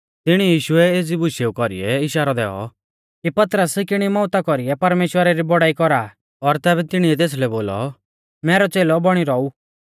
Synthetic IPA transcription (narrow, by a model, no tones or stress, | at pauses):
t̪ɪɽ̃ijiːʃʊɛeːd͡zibʊʃeːukɔɾḭɛɪʃaːɾad̪ɛːɔ̰ | kipɐt̪ɾəskɪɽ̃imɔːt̪akɔɾiɛpɐɾmeːʃwəɾaɾibɔɽaːikɔɾa | ɔɾt̪ɛːbɛt̪ɪɽ̃iɛt̪̬eːs̬lɛboːlɔ̰ | mɛːɾɔt͡seːlɔbɔɽ̃iɾɔu